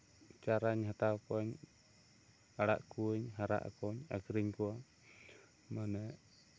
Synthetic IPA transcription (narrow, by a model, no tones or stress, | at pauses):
t͡ʃaɾaɲɦat̪akɔɲ | aɽa̰ʔkuɲɦaɾa̰ʔa̰kɔɲakɾiɲkua | manɛ